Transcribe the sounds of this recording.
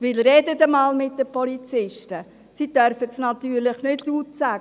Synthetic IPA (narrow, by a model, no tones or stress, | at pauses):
ʋɪlɾɛdədəmɑːlmɪt̚dəpɔlit͡sɪʃtə | sidœɾfətsnɑt̪yːɾləχnɪdluːtsæ